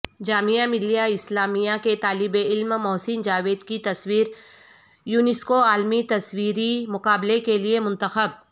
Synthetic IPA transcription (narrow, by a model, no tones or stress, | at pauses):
d͡ʒaːmijamɪlijaɪslaːmijaket̪aːlɪbeɪlmmɔːsɪnd͡ʒaːʋeːd̪kit̪ɐswiːɾ | juːnɪskoaːlmit̪ɐswiːɾimʊqaːblekeliemʊ̃nt̪əxəb̚